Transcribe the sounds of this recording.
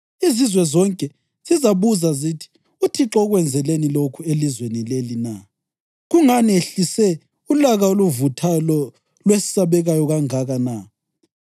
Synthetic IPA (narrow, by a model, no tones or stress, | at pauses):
izizwɛzɔŋkʼɛ | z̥izaβuzazitʰi̥ | utʰiǁɔɣwɛnd͡zʱɛlenilokʰuelizwenilelina | ɣuŋanieɬisɛ | ulaɣaoluvutʰalɔ | lwesi̥saβɛɣajɔɣaŋaɣana